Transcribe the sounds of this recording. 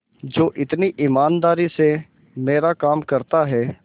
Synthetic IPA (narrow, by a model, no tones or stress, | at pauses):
d͡ʒoːʔɪt̪niʔɪmaːnd̪aːɾise | meːɾakaːmkɐɾt̪aɦɛː